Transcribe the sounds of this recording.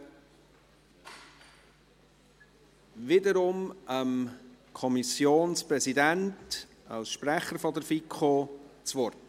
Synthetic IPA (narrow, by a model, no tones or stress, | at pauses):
ʋɪdəɾʊmʔəmkʰɔmisjoːnspɾɛsidænt | ɑ̰lsʃpɾæχəɾfɔd̪əɾfikχot͡sʋɔrt